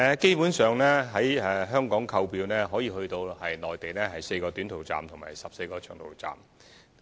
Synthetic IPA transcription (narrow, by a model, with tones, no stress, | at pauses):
ɛ˨ke˥jpuː˨˥nsœː˨ŋlɛː˥ɦɐ˨˥jɛː˨˧ɦœː˥ŋkɔː˨˥ŋkʰɐ˧wpiː˧wnɛː˥ɦɔː˨˥jiː˨˧hɵ˧ɥt̪o˧whɐ˨jnɔː˨jt̪e˨jnɛː˥ɦɐ˨jse˧jkɔː˧t̪y˨˥nt̪ʰo˨˩wt͡sa̰ː˨˩mt̪ʰʊ˨˩ŋmaː˨˩jsɐ˨p̚se˧jkɔː˧t͡ʃʰœː˨˩ŋt̪ʰo̰˨˩wt͡sa̰ː˨˩m